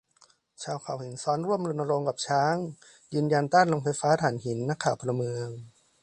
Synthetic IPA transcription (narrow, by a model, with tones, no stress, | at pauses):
t͡ɕʰaː˧wkʰaː˨˩whi˨˩˦nsɔː˦˥nɾu˥˩əmlo˧nʔa˧ɾo˧ŋka˨˩p̚t͡ɕʰaː˦˥ŋ | jɯː˧nja˧nt̪aː˥˩nlo˧ŋfa˧jfaː˦˥t̪ʰaː˨˩˦nɦi˩˦nːa˦˥kʰːaː˨˩wpʰɔ˧la˧mɯ˧əŋ